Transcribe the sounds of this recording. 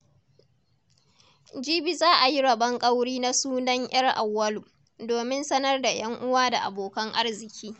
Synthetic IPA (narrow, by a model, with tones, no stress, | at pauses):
d͡ʒiː˦bi˨zaː˦ʔa˨ji˦ɽɐ˨bɐ˦ŋkʼɐ˦wɽiː˦na˦suː˦nɐ˦ɲj̰ɐ˦rʔa̰˨wːɐ˦lu˨ | doː˨mɪ˦nsɐ˦nɐ˦rda˨j̰ɐ˦ŋʔʊ˦waː˦da˨ʔa̰˨boː˨kɐ˦ŋʔa˦rzɪ˨kʲiː˦